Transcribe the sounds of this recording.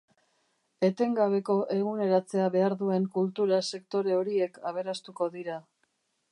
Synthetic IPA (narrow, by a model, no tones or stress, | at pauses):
e̞t̪e̞ŋɡaβ̞e̞ko̞ʔe̞ɣ̞une̞ɾat͡se̞aβe̞aɾðue̞ŋkult̪uɾase̞kt̪o̞ɾe̞o̞ɾie̞kaβ̞e̞ɾast̪uko̞ðiɾa